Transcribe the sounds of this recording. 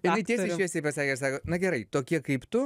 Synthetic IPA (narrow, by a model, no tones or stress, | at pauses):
jɪnɐɪtʲiɛsʲɪʃkʲiɛsʲɛɪpɐsɑːkʲɪsɑːkoːnɐɡʲɛɾɐɪt̪oːkʲiɛkɐɪpt̪ʊ